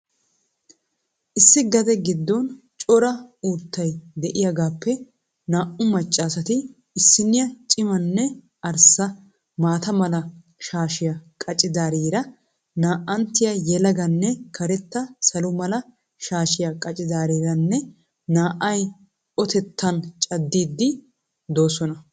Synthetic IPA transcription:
ʔɪsːɪɡɐd̪ɛɡɪd̪ːɔn | t͡ʃʼɔɾɐuːt̪ʰːɐjd̪ɛʔɪjɐɡaːpːɛ | naːʔʊmɐt͡ʃʼːaːsɐt̪ɪ | ɪsːɪnːɪjɐt͡ʃʼɪmɐnːɛ | ʔɐɾsɐ | maːt̪ɐmɐlɐ | ʃaːʃɪjɐkʼɐt͡ʃʼɪd̪aːɾiːɾɐ | naːʔʔɐnt̪ːɪjɐjɛlɐɡɐnːɛkʰɐɾɛt̪ːɐsɐlʊmɐlɐ | ʃaːʃɪjɐkʼɐt͡ʃʼɪd̪aːɾiːɾɐnːɛ | naːʔːɐj | ʔɔt̪ɛt̪ːɐnt͡ʃʼɐd̪ːiːd̪ːɪ | d̪o̞ːsɔnɐ

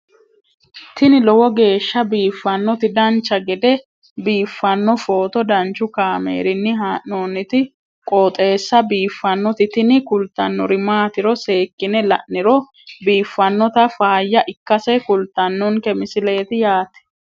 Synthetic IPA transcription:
t̪ɪnɪlɔwɔɡe̞ːʃːɐbiːfːɐnːɔt̪ɪd̪ɐnt͡ʃːɐɡɛd̪ɛ | biːfːɐnːɔfo̞ːt̪ɔd̪ɐnt͡ʃːʊkaːmḛːɾɪnːɪɦaːʔnoːnɪt̪ɪ | kʼoːt̪ʼe̞ːsːɐbiːfːɐnːɔt̪ɪt̪ɪnɪkʊlt̪ːɐnːɔɾɪmaːt̪ɪɾɔse̞ːkːɪnɛlɐ̰ʔnːɪɾɔ | biːfːɐnːɔt̪ɐfaːjːɐʔɪkːɐsɛkʊlt̪ːɐnːɔŋkɛmɪsɪle̞ːt̪ɪjaːt̪ɛ̥

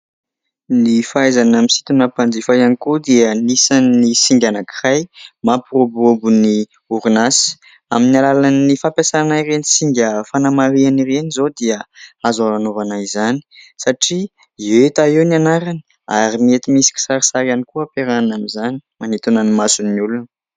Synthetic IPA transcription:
nifaezanamisi̥t̪unapand͡zifajanikud̪iənisannisiŋɡʲanakirajmaprobobuni | uɾunasi̥ | aminalalanːifampjasaanairenisiŋɡʲəfanamaɾianirenizod̪iəazaɾanovanajizani̥saʈ͡ʂi | et̪aewnanaɾani̥ | a̰ɾimiet̪imisi̥kʲi̥saɾisaɾanikuapeɾannamizani̥manet̪unanimasunːulun

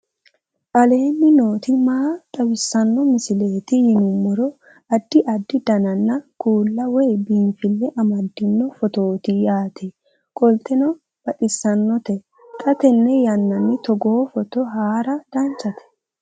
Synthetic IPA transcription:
ʔɐle̞ːnːɪno̞ːt̪ɪmaːt̪ʼɐwɪsːɐnːɔmɪsɪle̞ːt̪ɪjɪnʊmːɔɾɔ | ɐd̪ːɪʔɐd̪ːɪd̪ɐnɐnːɐkuːlːɐwɛjbiːnfɪlːɛʔɐmɐd̪ːɪnːɔfɔt̪o̞ːt̪ɪjaːt̪ʰɛ | kʼɔlt̪ɛnɔ | b̥ɐt̪ʼɪsːɐnːɔt̪ɛ | kʼɐt̪ɛnːɛjɐnːɐnːɪt̪ɔɡɔhɔfɔt̪ɔɦaːɾɐd̪̥ɐnt͡ʃːɐt̪ɛ̥

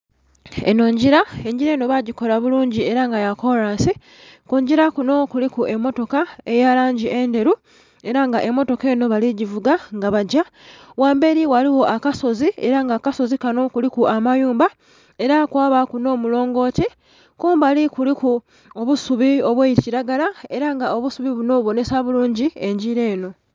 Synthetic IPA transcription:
ḛno̞ːɲɟiɾae̞ɲɟiɾe̞ːno̞βaɟiko̞laβuluːɲɟie̞ɾaŋɡajako̞ɾaːnsi | kuːɲɟiɾakuno̞kulikuʔe̞mːo̞to̞kae̞jalaːɲɟiʔe̞nde̞ɾu | e̞ɾaŋɡaʔe̞mːo̞to̞ke̞ːno̞βaliɟivuɡaŋɡaβaɟa | waːmbe̞ɾiwaliwo̞ʔakaso̞zie̞ɾaŋɡakaso̞zikano̞kulikuʔamajuːmba | e̞ɾakwaːβakuno̞ːmulo̞ːŋɡo̞ːce | kuːmbalikuliku | oβusuβio̞βweːjiticiɾaɡalae̞ɾaŋɡao̞βusuβiβuno̞βuβo̞ne̞saβuluːɲɟie̞ɲɟiɾe̞ːno̞

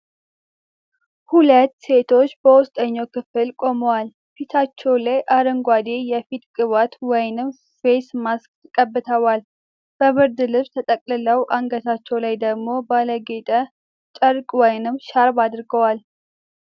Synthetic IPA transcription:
hulət̪ːse̞t̪ʰo̞t͡ʃːbəwʊst̪ʼəɲːowkɨfɨlkʼo̞məwal | fit̪ʰat͡ʃːɛwlajʔaɾəŋɡʷad̪ejɛfit̪kʼɨβat̪wɔjnɨm | fesmaskkʼəbːɨt̪ʰəwal | b̥əfɨɾd̪ɨlɨβt̪ʰət̪ʼəkʼlɨləwʔaŋɡət̪at͡ʃːɛwlajd̪əɡmo̞baləɡet̪ʼə | t͡ʃʼəɾkʼwɔjnɨmʃaɾbad̪ɨɾɡəwal

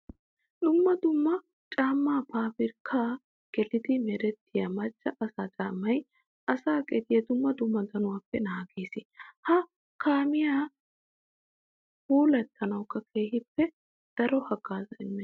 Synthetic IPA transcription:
d̪ʊmːɐd̪ʊmːɐ | t͡ʃʼaːmːaːpaːpɪɾkʰaː | ɡ̥ɛlɪd̪ɪmɛɾɛt̪ːɪjamɐt͡ʃːɐʔɐsaːt͡ʃʼaːmːɐj | ʔɐsaːkʼɛd̪ɪjɛd̪ʊmːɐd̪ʊmːɐd̪ɐnʊwaːpːɛnaːɡeːsɪhɐ | kʰaːmɪjaː | huːlɐt̪ʰːɐnɐwkːɐkʰeːhɪpːɛ | d̪̥ɐɾɔhɐɡaːzɐɪmːɛ

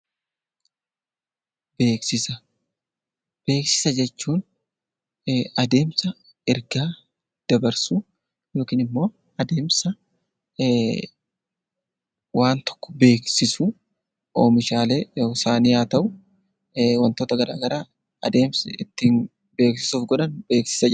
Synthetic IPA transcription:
be̞ːksɪsɐ | b̥e̞ːksɪ̥sɐd͡ʒɛt͡ʃːuːn | ɐd̪e̞ːmsɐ | ɛɾɡaː | d̪̥ɐbɐɾsu | jo̞ːkiːnɪmːo̞ː | ɐd̪e̞ːmsɐ | waːnt̪ɔ̥kːɔ̥be̞ːksɪsu | oːmɪʃaːle̞ːsaːniːaːt̪ɐʔʊ | wɐnt̪o̞ːt̪ɐɡɐɾa̰ːɡɐɾaː | ɐd̪e̞ːmsɪt̪ːɪn | be̞ːksɪ̥suːfɡɔᶑɐnbe̞ːksɪ̥sɐ

